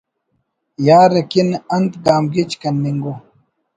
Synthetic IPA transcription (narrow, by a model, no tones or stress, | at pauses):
jaːɾɐkinɐnt̪ɡaːmɡit͡ʃkɐnːiŋɡo